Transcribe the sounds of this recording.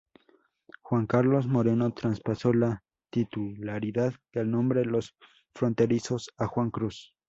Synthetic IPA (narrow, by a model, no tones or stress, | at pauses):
xwaŋkaɾlo̞smo̞ɾe̞no̞t̪ɾanspaso̞la | t̪it̪ulaɾiðaðd̪e̞lnõ̞mbɾe̞ðelo̞s | fɾo̞nt̪e̞ɾiso̞saxwaŋkɾus